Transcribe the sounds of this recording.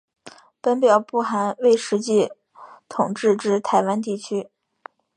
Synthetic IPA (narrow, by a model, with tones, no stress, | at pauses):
pə˥npjɑ˨˩ʊpu˥˩xa˧˥nwe˥˩ɪʂɻ̩˧˥t͡ɕi˥˩ | t̪ʰʊ˨˩ŋʈ͡ʂɻ̩˥˧ʈ͡ʂɻ̩˥˩t̪ʰa˧˥ɪwa˥nt̪̬i˥˩t͡ɕʰy˥